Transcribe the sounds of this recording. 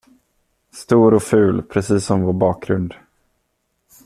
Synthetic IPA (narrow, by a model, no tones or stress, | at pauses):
st̪uːɾɔfʉ̟ːlpʰɾɛsiːsːɔmvoːɾbɑːk̚ɡɾɵnd̪